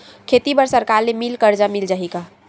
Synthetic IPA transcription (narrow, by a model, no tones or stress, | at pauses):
kʰet̪ibəɾsəɾkaɾlemilkəɾd͡ʒamild͡ʒaɦika